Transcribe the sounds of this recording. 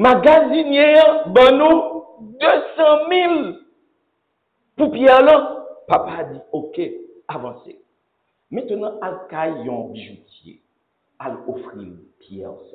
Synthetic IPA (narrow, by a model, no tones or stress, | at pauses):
maɡazinjeãbãnũ | d̪øsãmĩl | pupjɛʁlãpapadioke | avɑ̃sḛ | mɛ̃t̪ənãalkajjɔ̃biʒutjḛ | a̰lofʁḭlpjɛ̰ʁa